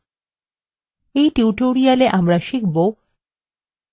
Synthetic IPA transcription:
ejʈiuʈoɾialeʔamɾaʃikʰbo

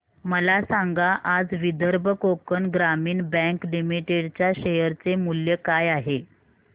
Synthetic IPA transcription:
məlasaŋɡaʔad͡zʋid̪ʱəɾbʱəkokənɡɾamiːɳbɛ̃ŋklimiʈeɽt͡ɕjaɕejəɾt͡semuljəkajaɦe

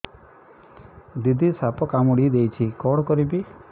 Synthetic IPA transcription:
d̪id̪ʱisapɔkamuɽid̪ejt͡ʃʰikɔɽɔkɔɾibi

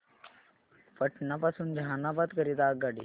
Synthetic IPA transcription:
pəʈnapasuːnd͡ʑʱanabat̪kəɾit̪aɡaɽi

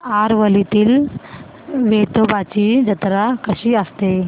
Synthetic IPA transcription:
aɾʋəlit̪iːl | ʋet̪obat͡ɕiːd͡ʑət̪ɾakəɕiːəst̪e

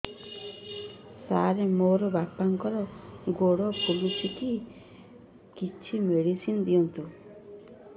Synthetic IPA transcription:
saɾemoɾɔbapaŋkɔɾɔɡoɽɔpulusiki | kit͡ʃʰimeɽisind̪iɔnt̪u

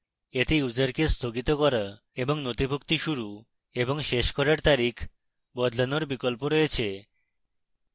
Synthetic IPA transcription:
et̪eud͡ʑaɾkest̪ʰoɡit̪okɔɾa | eboŋnot̪ibʱuk̚t̪iʃuɾu | eboŋʃeʃkɔɾaɾt̪aɾikʰ | bɔd̪lanoɾbikolpoɾojet͡ɕʰe

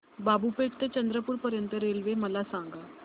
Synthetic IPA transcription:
babupekt̪et͡ɕənd̪ɾəpuːɾpəɾjənt̪əɾelʋeməlasãŋɡa

